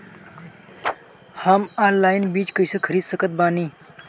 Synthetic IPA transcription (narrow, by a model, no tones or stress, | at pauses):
hamanlajnbiːd͡ʑkəjsəkʰəɾiːd̪səkət̪̚baːniː